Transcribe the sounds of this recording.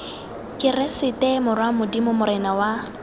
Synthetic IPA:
kʼɪrɛsɪtʼɛmʊrwamʊdimʊmʊɾɪnawa

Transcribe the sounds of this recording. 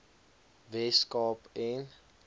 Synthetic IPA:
vɛskɔpɛn

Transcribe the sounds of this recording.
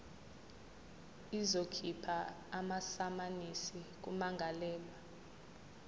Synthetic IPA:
izokʰipʰaː | masamanisik̬ʼumaŋɡʱalɛːla

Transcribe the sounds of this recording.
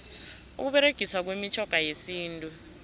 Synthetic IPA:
ṵk̬uɓɛɾeɡ̥ʱiswak̬wemit͡ʃʰɔɡ̥ʱajesiːntʼu

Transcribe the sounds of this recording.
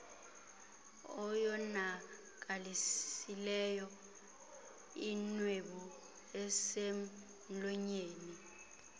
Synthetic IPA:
ɔjɔna | k̬alisilɛjɔ | inweɓu | ɛsem̩ | lɔɲeːni

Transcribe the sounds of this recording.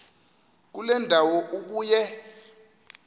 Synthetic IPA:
k̬ulɛndʱawɔʔuk̬uːjɛ

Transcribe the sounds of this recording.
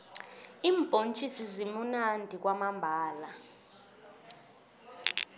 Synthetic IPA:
iːmb̥ʱʼont͡ʃʼisizimunandʱik̬ʼwamambʱaːla

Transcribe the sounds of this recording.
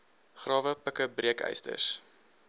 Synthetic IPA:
χrɑːvəpəkəbriəkœ̰jstə̰s

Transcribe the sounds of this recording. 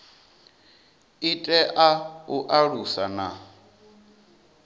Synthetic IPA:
itʼɛʔauʔaɺusana

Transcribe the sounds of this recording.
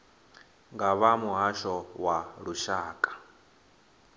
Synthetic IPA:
ŋɡaβamuɦaʃɔwaɺuʃaːkʼḁ

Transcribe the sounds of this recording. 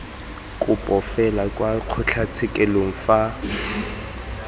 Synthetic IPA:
kʼʊpʼɔfɛlakʼwaq͡χʰʊt͡ɬʰat͡sʰɪkʼɛloŋ̩fa

